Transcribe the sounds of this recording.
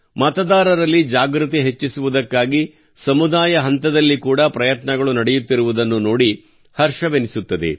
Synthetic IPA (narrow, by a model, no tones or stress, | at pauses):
mɐt̪ɐd̪aːɾɐɾɐlːid͡ʒaːɡɾut̪iɦet͡ʃːisuʋud̪ɐkːaːɡi | sɐmud̪aːjɐɦɐnt̪ɐd̪ɐlːikuːɽɐpɾɐjɐt̪nɐɡɐɭunɐɽɛjut̪ːiɾuʋud̪ɐnːuno̞ːɽi | hɐɾʂɐʋenisut̪ːɐd̪ḛ